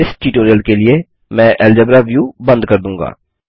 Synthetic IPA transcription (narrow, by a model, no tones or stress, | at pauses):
ɪsʈiːʈoːɾijəlkeːlɪeː | mɛ̃ːʔɛːld͡ʒəbɾaːʋjuːbənd̪kəɾd̪ũːŋɡa̰ː